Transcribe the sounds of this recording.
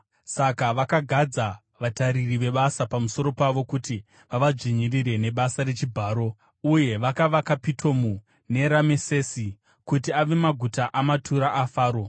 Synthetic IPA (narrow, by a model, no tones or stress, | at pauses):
sakaʋakaɡʱad͡za | ʋataɾiriʋe̞ɓasapamuso̞ɾo̞paʋo̞kuti | ʋaʋad͡ʐiɲiriɾe̞ne̞ɓasaɾe̞t͡ʃibʱaːɾo̞ | uje̞ʋakaʋakapitʰo̞mu | ne̞ɾamesesi | kutiaʋe̞maɡʱutaʔamatʰuɾaʔafaːɾo̞